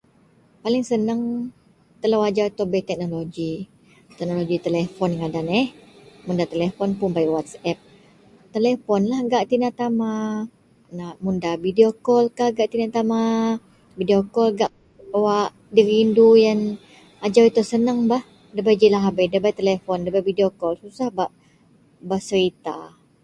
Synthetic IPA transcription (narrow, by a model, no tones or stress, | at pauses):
palɪŋsənəŋ | t̪əlawad͡ʒawit̪ɔbɛt̪ɛk̚noloɡi | t̪ɛk̚noloɡit̪əlɛfɔnŋadanɛhmundat̪əlefɔnpʊnbajwat̪sɛp̚ | t̪əlefɔnlahɡaʔt̪inat̪ama | namundabideokɔlkaɡaʔt̪inat̪ama | bideokɔlɡaʔ | waʔ | diɾiːndujan | ad͡ʒawit̪usənəŋbah | dəbajd͡ʒilaɦabadəbajt̪əlefɔndəbajbideokɔlsusahbaʔ | bahsəɾit̪a̰